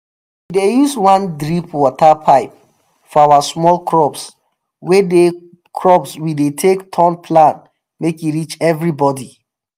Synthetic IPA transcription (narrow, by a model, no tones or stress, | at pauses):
widejuswãndɹipwɔtapʰaɪp̚ | fɔawasmɔlkʰɹɔps | wede | kʰɹɔpswidetʰektʰɔ̃npʰlãn | mekjiɹit͡ʃɛvɹibɔdi